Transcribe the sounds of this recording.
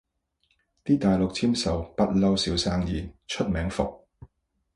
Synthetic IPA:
t̪iː˥t̪aː˨jlʊ˨k̚t͡sʰiː˥msɐ˨˩wpɐ˥t̚lɐ˧wsiː˨˥wsaː˧ŋjiː˨˩nt͡ʃʰɵ˥t̚mɛː˨˥ŋfʊ˨k̚

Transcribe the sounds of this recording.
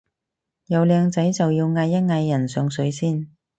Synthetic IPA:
jɐ˨˧wlɛː˧ŋt͡sɐ˨˥jt͡sɐ˨wjiː˧wŋɐ˧jːɐ˥t̚ŋɐ˧jːɐ˨˩nsœː˨˧ŋsɵ˨˧˥ɥsiː˥˩n

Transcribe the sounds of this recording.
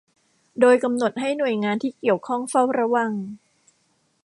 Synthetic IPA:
doː˧jka˧mno˨˩t̪̚ɦa˥˩jnu˨˩əjŋaː˧nt̪ʰiː˥˩ki˨˩əwkʰɔ˥˩ŋfa˥˩wɾa˧˥wa˧ŋ

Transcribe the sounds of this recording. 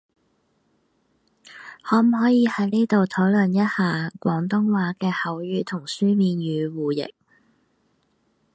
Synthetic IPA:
hɔː˨˥m̩˨˩hɔː˨˥jiː˨˧hɐ˨˥jne˥t̪o˨wt̪ʰo˨˥wlɵ˨˩njɐ˥t̚haː˨˧kʷɔː˨˥ŋt̪ʊ˥ŋwaː˨˥kɛː˧hɐ˨˥wjyː˧t̪ʰʊ˨˩ŋsyː˥miː˨njyː˨˧wuː˨jɪ̰˨k̚

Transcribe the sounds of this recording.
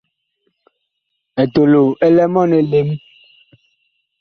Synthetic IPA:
ɛ˨to˨lo˨ɛ˦lɛ˦mɔ˦nɛ˨le˦m

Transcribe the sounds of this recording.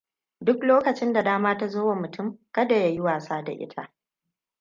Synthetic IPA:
dʊ˦kloː˦kɐ˨t͡ʃɪ˦nda˨daː˦maː˦ta˦zoː˦wa˨mʊ˨tʰʊ˦˨mkɐ˦da˨ja˦jɪ˦waː˨saː˦da̰˨ʔɪ̰˦tʰa˦˨ʔ

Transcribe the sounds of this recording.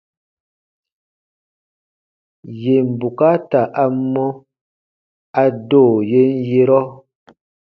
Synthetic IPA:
je˨m̩˨bu˨ka˦ta˨ʔa˦mɔ˦ | a˦doː˦˨je˦n̩˦je˦ɾɔ˦

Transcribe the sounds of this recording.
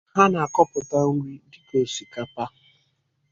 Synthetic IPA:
ha˦na˨a˨kɔ˦pʊ˨ta˦u˦wi˦dɪ˦ke˨ʃi˨ka˨pa˦

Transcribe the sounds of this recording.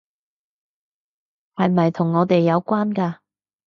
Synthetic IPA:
hɐ˨jmɐ˨jt̪ʰʊ˨˩ŋːɔː˨˧t̪e˨jːɐ˨˧wkʷwaː˥nkaː˧

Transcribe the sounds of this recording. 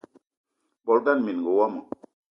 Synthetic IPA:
bɔ˨lda˦nmi˨n˨ɡo˨wa˦ma˨

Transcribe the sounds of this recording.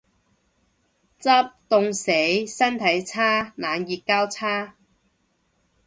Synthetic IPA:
t͡sɐ˥p̚t̪ʊ˨ŋse˨˥jsɐ˥nt̪ʰɐ˨˥jt͡sʰaː˥naː˨˧njiː˨˧t̚kaː˥wt͡sʰaː˥

